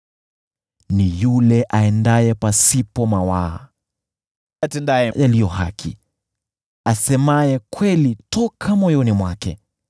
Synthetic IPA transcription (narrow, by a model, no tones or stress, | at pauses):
nijulɛʔaɛndajɛpasipɔmawaː | atɛndajɛjalijɔha̰kʰi | asɛmajɛkwɛlitɔkʰamɔjɔnimwakɛ̰